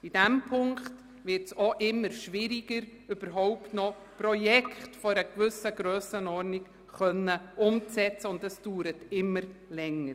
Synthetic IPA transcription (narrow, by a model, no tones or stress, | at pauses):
id̥ɛmpʰʊŋkt | vɪɾtsɔʔɪmːəɾʃʋɪɾiɡ̥əɾ | ʏb̥əɾɦɔʊptnɔ | prɔjɛkχtfɔɾəkvʏsəɡɾøːsənɔrnɪk | χœnːəʊmt͡sɛt͡səʊndəsd̥uːɾətɪmːəɾlɛŋːəɾ